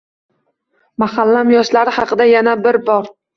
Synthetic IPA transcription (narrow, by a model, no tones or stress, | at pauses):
maχɑlːamjɒʃlaɾɪχɑqʰɨd̪ajanabɪɾbɒɾ